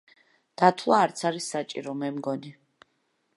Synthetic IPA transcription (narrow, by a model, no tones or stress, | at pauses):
d̪̥at̪ʰwaːɾt̪sʰaɾisːat͡ʃʼiɾɔmɛmɡɔni